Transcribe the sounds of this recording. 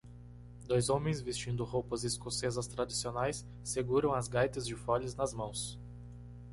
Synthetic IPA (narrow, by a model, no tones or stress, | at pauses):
d̪ojzõmẽj̃zvist͡ʃĩnd̪ʊhowpɐzɪskosezɐst̪ɾad͡ʒisionajsː | eɡuɾɐ̃w̃ɐzɡajt̪ɐzd͡ʒɪfɔʎɪznɐzmɐ̃w̃s